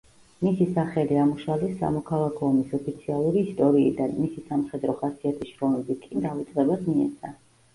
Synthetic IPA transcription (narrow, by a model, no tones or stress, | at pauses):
misisaχɛliamuʃalisːa̰mɔkʰalˠakʰɔːmisɔpʰit̪sʰialˠuɾiːst̪ʼɔɾiːd̪anmisisamχɛd̪ɾɔχasiat̪ʰisʃɾɔmɛbikʼid̪avit̪sʼqʼɛbasmiɛ̰t̪sʰa